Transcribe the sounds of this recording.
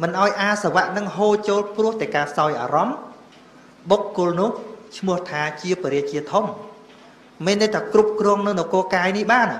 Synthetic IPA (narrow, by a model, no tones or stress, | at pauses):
mɨnʔaɔjʔaːsaʋaʔnɨŋɦoːt͡ɕoːlprʊ̆əht̪aɛkaːpʰsaɔjʔa̰ːɾɑm | ɓokːʊ̆lnʊ̆əht͡ɕʰmʊ̆əht̪ʰaːt͡ɕiəpiəɾiət͡ɕiət̪ʰom | meːnːɨt̪ʰaːkrup̚krɔːəŋnɨŋnɔkoːkaːjnihɓaːn